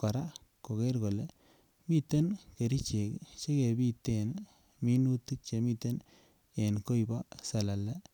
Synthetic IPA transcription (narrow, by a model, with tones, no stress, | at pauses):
ka˨ɾa˦ | ko˨ke˦ɾɡo˨le˨ | mi˦t̪ːe˦nke˨ɾi˦t͡ʃe˨kt͡ʃe˦ke˨bi˦t̪ːen | mi˦nu˦ti˦k̚t͡ʃe˨mi˦t̪ːe˦n | e˨nko˦jba˦sa˨la˨le˦